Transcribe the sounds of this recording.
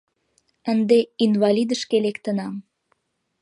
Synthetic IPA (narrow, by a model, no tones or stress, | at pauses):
ənd̪einvɑlʲid̪əʃkelekt̪ənɑm